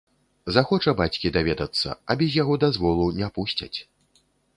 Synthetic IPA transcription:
zaxɔt͡ʂɐbat͡sʲkʲid̪avʲɛd̪ɐt̪sːɐ̰ɐbʲɛzʲjaɣɔd̪azvɔlˠunʲɛpusʲt͡sʲɐ̰t͡sʲ

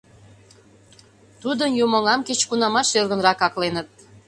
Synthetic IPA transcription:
t̪ud̪ənjumoŋɑmket͡ɕkunɑmɑʃelɣə̆nrɑkɑklenət̪̚

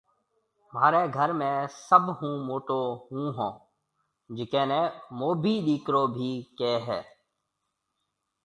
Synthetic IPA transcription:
maːɾeːɡʱəɾmẽːsəbhũːmoːʈoːɦũːɦõː | d͡ʒɪkeːnɛ̃ːmoːbʱiːɗiːkɾoːbʱiːkeːɦɛ̰ː

